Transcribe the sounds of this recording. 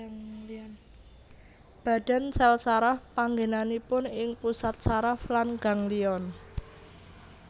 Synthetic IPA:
b̥a̤d̥a̤nsɛlsaɾahpaŋɡenanipʊnɪŋpusat̪̚saɾaflanɡ̥a̤ŋliɔn

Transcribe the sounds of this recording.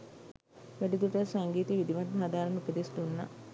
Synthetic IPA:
ʋæɖid̪uʈəsaŋɡiːt̪iʋid̪iʋat̪ɦad̪aːɾɐnupəd̪isd̪unːa̰

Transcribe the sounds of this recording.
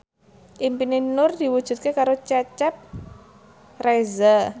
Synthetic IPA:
ʔimpinenʊrd̪̥i̤wud̥ʒ̥ṳt̪̚kekaɾot͡ʃɛt͡ʃɛp̚ | reza

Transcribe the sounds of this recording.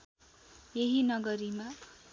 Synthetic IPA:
jeɦinʌɡʌɾima

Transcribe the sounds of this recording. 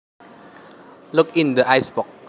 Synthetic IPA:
lukĩndəʔajsbɔks

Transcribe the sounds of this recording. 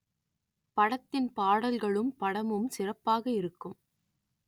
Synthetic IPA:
pɐɽɐt̪ːɪnpaːɽɐlɣɐɭɯmpɐɽɐmɯmsɪrɐpːaːɣɐɪɾɯkːɯm

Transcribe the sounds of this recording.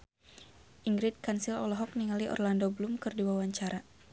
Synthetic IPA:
ʔiŋɡɾɪt̪̚kansilɔ̰lɔɦɔk̚niŋaliʔɔ̰rlandoblumkɨrdiwawaɲt͡ʃaɾa

